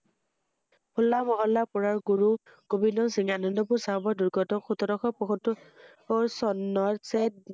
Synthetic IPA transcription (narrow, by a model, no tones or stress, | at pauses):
pʰulːamɔɦɔlːapɔɹaɹɡuɹu | ɡ̥obinɔnsiŋanɔndɔpuɹsabɔduɹɡɔtɔxutɔdɔxɔpɔxɔtɔ | sɔnːɔɹset̚